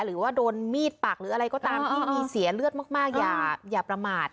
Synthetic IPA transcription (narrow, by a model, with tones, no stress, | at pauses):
ɾɯː˩˦waː˥˩doː˧nmiː˥˩t̪̚pa˨˩k̚ɾɯː˩˦ʔa˧ɾa˧jkɔː˥˩t̪aː˧mt̪ʰiː˧˥˩miː˧si˩˦ɐlɯ˥˩ət̪̚maː˥˩k̚maː˥˩k̚jaː˨˩jaː˨˩pɾa˧maː˨˩t̪̚